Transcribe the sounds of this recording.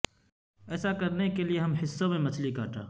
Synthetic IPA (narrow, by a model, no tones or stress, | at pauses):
ɛːsakəɾnekelieɦɐmhɪsːõmẽmɐt͡ʃʰlikaːʈa̰ː